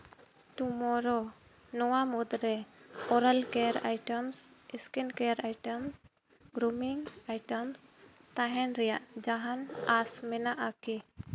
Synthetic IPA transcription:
t̪umɔɾɔnɔwamud̪ɾɛɔɾalkɛɾa̰jʈəmsiskinkɛɾajʈəms | ɡɾumiŋajʈəmst̪aɦɛnɾɛja̰ʔd͡ʒaɦanasmɛnaʔaki

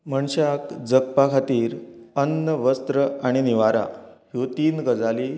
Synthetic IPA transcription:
məɳɕakd͡zəkpakʰat̪iːɾənːəʋəst̪ɾəaɽ̃iniʋaɾa̰ɦjot̪iːnɡəd͡zaliː

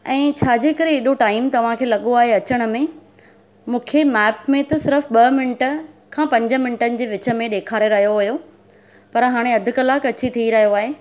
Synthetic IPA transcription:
ɛ̃ːt͡ɕʰaːd͡ʑeːkəɾẽɦeɗoʈaːɪmt̪ɐʋ̤ãkʰeːlɐɠoaːɦeɐt͡ɕəɽ̃̆mẽ | mũːkʰemɛːpmẽt̪ɐsɪɾəfɓɐmɪnɪʈə̆kʰãːpɐ̃ɲd͡ʑə̆mɪnɪʈənɪ̆d͡ʑeːʋɪt͡ɕə̆mẽɗeːkʰaːɾeɾɐɦijoɦʊɦjo | pɐɾɦaːɽ̃eɐd̪ʱʊkɐlaːkɐt͡ɕit̪ʰiiɾɐɦijoaːɦeː

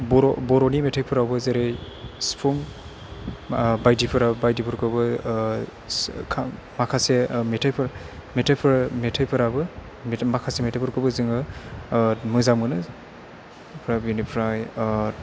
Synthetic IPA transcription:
bɔɾɔbɔɾɔnimetʰajpʰɯɾawbɯzeɾe | spʰum | bajdipʰɯɾabajdipʰɯɾkʰɯbɯ | kʰa | makʰasemetʰajpʰɯɾ | metʰajpʰɾmetʰajpʰɯɾabɯ | makʰasemetʰajpʰɯɾkʰɯbɯzɯŋɯ | mɯzamɯnɯ | pʰɾabunipʰɾaj

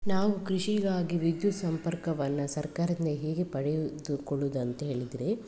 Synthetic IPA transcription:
naːʋukɾiʂiɡaːɡiʋid̪jut̪sɐmpɐɾkɐʋɐnːɐsɐɾkaːɾɐd̪ind̪eɦeːɡepɐɽejd̪ukɔɭud̪ɐnt̪ɐɦe̞ːɭid̪iɾe

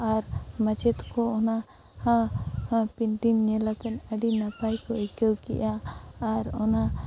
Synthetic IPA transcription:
aɾmət͡ʃɛt̪kɔɔna | hã | piɳʈinɲɛlakɛnəɖinapajkɔikəwkɛ̰ʔaː | ɾɔna

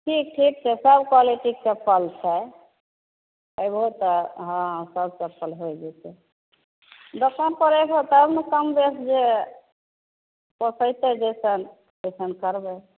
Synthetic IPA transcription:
ʈʰik̚ʈʰik̚t͡ʃʰɛsəbkaliʈiksəpʰəlt͡ʃʰɛ | əjbʱot̪ɔɦãsəb̚ʱsəpʰəlɦojd͡ʒɛt̪ɛ | d̪okʰənpəɾəbot̪ɔəbnəkəmbesd͡ʒe | pɔsəjt̪ɛd͡ʒesən | esənkəɾbɛ

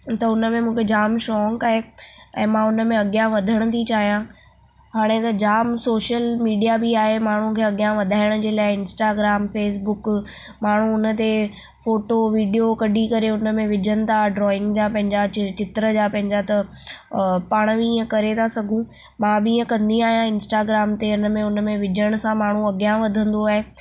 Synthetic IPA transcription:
t̪ɐʊnəmẽmũːkʰed͡ʑaːmʃɔːŋkaːɦeɛ̰̃ːmãʊnəmẽɐɠjãʋɐd̪ʱəɽ̃ə̆t̪ʰit͡ɕaːɦijã | ɦaːɽ̃et̪ɐd͡ʑaːmsoːʃjəlmiːɖijabiaːɦemaːɳ̤̃ũkʰeːɐɠjãʋɐd̪ʱaːɪɽ̃ə̆d͡ʑeːlaːɪɪnsʈaːɡɾaːmfeːs̬bʊk | maːɳ̤ũʊnə̆t̪e | foːʈoʋiːɖijokɐɖikɐɾeʊnə̆mẽʋɪd͡ʑʱənɪ̆t̪ʰaɖɾɔːɪ̃ŋɡd͡ʑapɐ̃ɦɪ̃ɲd͡ʑat͡ɕɪt̪ɾəd͡ʑaːpɐ̃ɦɪ̃ɲd͡ʑat̪ɐ | paːɽ̃ʋiiːə̃kɐɾet̪ʰasɐɡʱũ | mãːbɪiːə̃kɐ̃nd̪iaːɦijãɪ̃nsʈaːɡɾaːmt̪eʊnəmẽʊnəmẽʋɪd͡ʑʱəɽ̃ʊ̆sãmaːɳ̤ũɐɡjãʋɐd̪ʱə̃nd̪oaːɦe

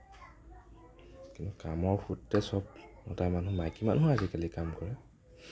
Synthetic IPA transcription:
kintukamɔɹxutːɛsɔb̚nɔtamanumajkima̰nɦʊazikalikamkɔɹɛ

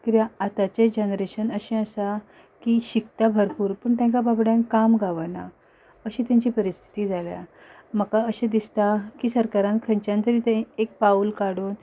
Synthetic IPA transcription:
kiɾjaat̪at͡ɕed͡ʑenɾeɕənəɕĩəsa | kiɕikt̪abʱəɾpuːɾpəɳt̪jɛ̃ŋkababɽjãŋkːamɡʱaʋəna | əɕĩːt̪jãɲt͡ɕiːpəɾist̪ʰi̥t̪iːd͡zʱalja̰ | məkaəɕẽd̪ist̪akiːsəɾkaɾãnkʰə̃ɲt͡ɕjãnt̪əɾiːt̪ẽek̚paulkaɽuːn

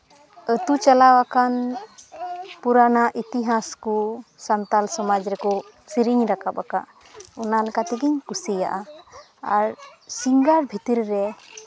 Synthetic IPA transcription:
ət̪ut͡ʃalawakan | puɾanaʔit̪iɦaskusant̪alsɔmad͡ʒɾɛkɔ | siɾiɲɾakabaka̰ʔ | ɔnalɛkat̪iɡiɲkusija̰ʔa | a̰ɾsiŋɡaɾbʱit̪iɾɾɛ

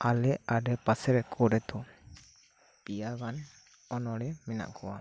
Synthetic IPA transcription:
alɛaɖɛpasɛɾɛkʰɔɾɛt̪ɔ | pijaɡan | ɔnɔɽɛmina̰ʔkʰɔwa

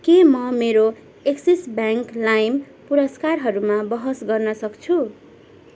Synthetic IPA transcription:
kemʌmeɾo | eksisbjaŋklajm | puɾʌskarɦʌɾumabʌɦʌsɡʌrnʌsʌkt͡sʰu

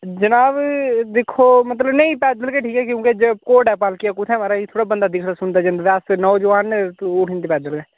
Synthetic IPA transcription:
d͡ʒənaːbd̪ekʰomət̪ləbnəĩpɛːd̪əlkeʈʰiːkɛkjõːked͡ʒəbkoːɖɛːpaːlkiakʊt̪ʰɛmaːɾait̪ʰoːɽabənd̪ad̪ɪkʰɾasʊnt̪ad͡ʒənd̪ʋaːsnɔod͡ʒʊʋaːnʊʈʰɪnt̪ipɛːd̪əlkeː

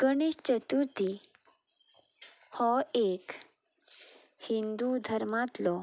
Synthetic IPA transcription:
kəɳ̃iːɕt͡ɕət̪uɾt̪i | hɔek | hind̪ud̪ʱəɾmat̪lɔ

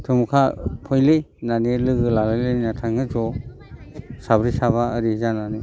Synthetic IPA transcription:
tʰɯmkʰapʰɔjlɯ | nanilɯɡɯlalalɯnatʰaŋɯzɔ | sabɾisaβaəɾizananɯ

